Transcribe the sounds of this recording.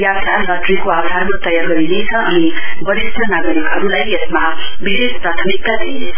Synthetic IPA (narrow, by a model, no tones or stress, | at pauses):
jabd̪ʱannʌt̪rikoabd̪ʱarmat̪ʌjarɡʌɾinet͡sʰʌʌnibʌɾisʌnaɡʌɾikɦʌɾulajesmabiɦespɾat̪ʰʌmik̚t̪ad̪ine